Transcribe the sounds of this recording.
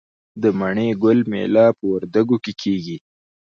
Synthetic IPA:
d̪əmaɳeɡʊlmḛlɑpəwaɾd̪aɡokekʰeɡi

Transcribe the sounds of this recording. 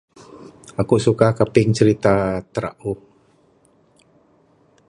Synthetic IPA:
akusukahkapɪŋt͡ʃəɾit̪at̪əɾa̰ʔu

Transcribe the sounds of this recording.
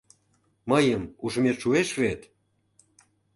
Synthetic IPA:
məjəmuʒəmet̪ʃueʃβet̪

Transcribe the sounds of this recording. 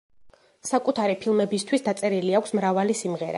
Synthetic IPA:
sakʼut̪ʰaɾipʰilˠmɛbist̪ʰwisd̪at̪sʼɛɾiliakʷʰsmɾavalisimʁɛɾa̰

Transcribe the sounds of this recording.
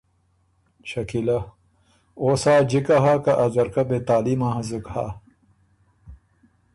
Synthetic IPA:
ɕʰɐkilɐ | oːsaːd͡ʑikɐɦaːkɐʔɐzɐɾkɐbet̪aːlimaɦɐzɨkha̰ː

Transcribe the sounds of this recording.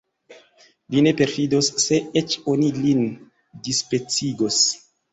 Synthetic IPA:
vine̞pe̞ɾfidosːe̞et͡ʃo̞nilin | dispe̞t͡siɡos

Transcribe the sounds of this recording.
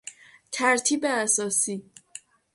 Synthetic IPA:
t̪ʰæɾt̪ʰiːbeæsɒːsiː

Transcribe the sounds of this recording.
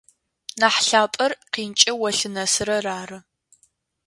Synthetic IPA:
naːħɬaːpʼɐrqiːnt͡ʃʼɐwɐɬɨnɐsɨɾɐraːrɨ

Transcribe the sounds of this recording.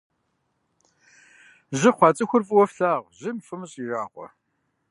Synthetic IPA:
ʑɪχʷɑːt͡sʼɨxʷʊrfʼɨwɔfɬaːʁʑɪmfɨmɨɕʼiraːqʷɔ̰

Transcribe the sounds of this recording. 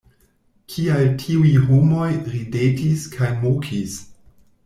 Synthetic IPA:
kʰialtʰiuiɦomo̞jɾidetiskʰajmokʰis

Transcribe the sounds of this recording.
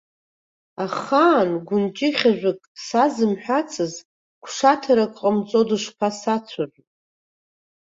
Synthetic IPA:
aχaːnɡʷʊnt͡ʃʼɪχʲaʒʷᶣɨkʼsazɨmħʷᶣat͡sʰʼɨz | kʷʰʂatʰaɾakʼqʼəmt͡sʼo̞dɨʂpʰasat͡sʷʰarʷᶣʼ

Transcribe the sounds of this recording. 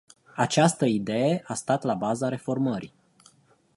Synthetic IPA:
at͡ʃast̪əid̪e̞jeʔast̪at̪labazaɾe̞fo̞rməɾḭ

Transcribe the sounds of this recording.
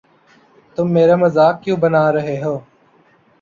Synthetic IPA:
t̪ʊmːeːɾaːməzaːkːjũːbənaːɾəɦeːɦoː

